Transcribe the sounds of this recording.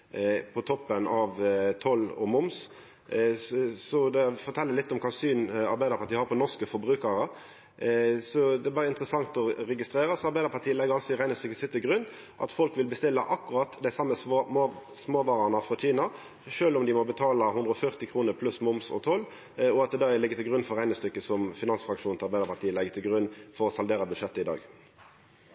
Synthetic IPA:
pʰɔt̪ʰɔpːənɑʋt̪ʰɔlːɔ̰mʊms | sɔd̪ɛfɔɾt̪ʰɛlːəlɪt̪ːɔmkʰɑsyːnɑ̰ɾbæɪd̪əɾpʰɑt̪iːəhɑɾpʰɔnɔʁskəfɔɾbɾʉːkəɾə | sɔd̪ɛæbɑːɾəɪnt̪əɾəsɑŋt̪ɔɾɛɡɪst̪ɾeːɾəsɔɑɾbæɪd̪əɾpɑʁt̪ʰiːəlɛɡəɾɑlsɔɪɾæɪnəsɪkəsɪt̪ːəɡɾʉnː | ʔɑ̰t̪fɔlkʋɪlbəst̪ɪlːɑʔɑkːʉɾɑt̪d̪æɪsɑmːə | smoːʋɑːʁɑnəfʁɔc͡çiːnɑ | ʂøːlʊmd̪ɪmɔbət̪ʰɑːlɑɦʉnd̪ɾəɔfœʁt̪ɪkʰʁuːnəɾpʰlʉsmʊmsɔ̰t̪ʰɔlː | ɔɑt̪̚d̪ɛd̪ɑɛlɪɡːət̪ʰɪlɡʁʉnːfɔɾæɪnəst̪ʏkːəsɔmfɪnɑnsfʁɑkʂuːnɪɑɾbæɪd̪əɾpʰɑt̪iːəlɛɡːət̪ʰɪlɡʁʉnːfɔɾɔsɑld̪eːɾəbʉd̪ʂɛt̪ːəɪd̪ɑ̰ːɡ

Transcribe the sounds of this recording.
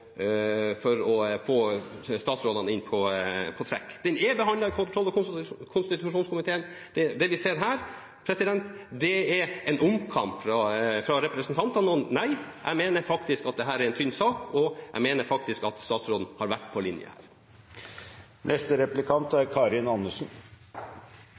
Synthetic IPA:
fɔɾɔfoːst̪ɑːt̪sɾoːd̪ɑnɪnpʰɔpʰɔt̪ʰɾɛ̰kːd̪̥ɛnɛbɛɦɑnlɑkʰʊnt̪ʰɾɔlːɔkʰʊnst̪ɪt̪ʉʂuːnskʰʊmɪt̪ʰeːən | d̪̥ɛd̪ɛʋɪseːɾɦæːɾ | pʰɾɛsɪd̪ɛnt̪d̪ɛɛɾɛnʊmkʰɑmpfɾɑfɾɑɾɛpɾɛsnt̪ɑnt̪ɑnəɔnnæɪʔæ̰ɪmeːnəɾfɑkt̪ɪskɑt̪̚d̪ɛɦæːɾæɾɛnt̪ʰʏnsɑːkɔæ̰ɪmeːnəɾfɑk̚t̪ɪskɑt̪st̪ɑːt̪sɾoːd̪n̩hɑɾʋæʈːpʰɔlɪnjə̰hæ̰ːɾ | nʔɛst̪əɾɛplɪkʰɑnt̪æɾkʰɑːɾɪnɑnːəʂn̩

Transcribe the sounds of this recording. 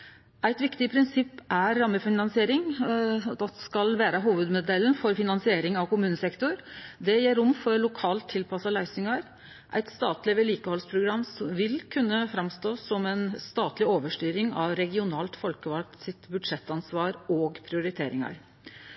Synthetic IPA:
æɪt̪ʋɪkt̪ɪpʰɾɪnsɪpːæɾːɑmːəfɪnɑnsɪeːɾɪŋ | d̪ɑskɑlʋæːɾəɦuːʋʉd̪mʊd̪ɛlːn̩fɔɾfɪnɑnsɪeːɾɪŋɑʋkʊmʉːnəsɛkt̪ʊɾd̪ɛjeːɾʊmːfɔɾɭʊkʰɑːlt̪ʰːɪlpʰɑsɑlæɪsʏŋɑɾ | ʔæ̰ɪt̪st̪ɑːt̪lɪʋɛliːkəhɔlspʰɾʊɡɾɑmːsɔʋɪlkʰʉnːəfɾɑmst̪oːsɔmɛnst̪ɑːt̪lɪoːʋəʂʈyːɾɪŋɑ̰ʋɾɛɡɪʊnɑːlt̪fɔlkəʋɑʈsɪt̪bʉd̪ʂɛt̪ːɑnsʋɑːɾoːɡpʰɾɪʊɾɪt̪ʰeːɾɪŋɑ̰ɾ

